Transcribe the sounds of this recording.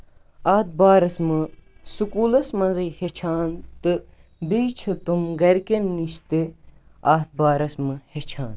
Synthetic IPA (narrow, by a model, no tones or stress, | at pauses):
aːt̪̚baːɾɐsmɨsukuːlɐsmɐnzɐjhet͡ʃʰaːnt̪ɨ | bit͡ʃʰɨt̪umɡɐɾkenːiʃt̪eaːt̪̚baːɾɐsmɨhet͡ʃʰaːn